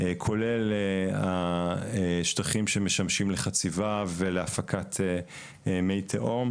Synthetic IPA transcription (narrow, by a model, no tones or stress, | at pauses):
ekʰo̞lela | ʃtaχimʃemeʃamʃimleχat͡sivaveleafakʰat̪ʰe | mejt̪ʰeʔom